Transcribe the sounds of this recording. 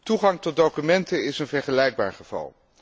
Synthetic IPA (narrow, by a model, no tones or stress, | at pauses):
tuχɑŋtɔt̚dowkymɛntəɪsənvɛɹχəlɛjɡ̚ba̰ːɹχəv̥ɑ̰lˠ